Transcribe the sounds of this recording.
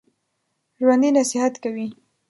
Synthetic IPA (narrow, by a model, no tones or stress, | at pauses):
ʒwand̪inasɪhat̪kawi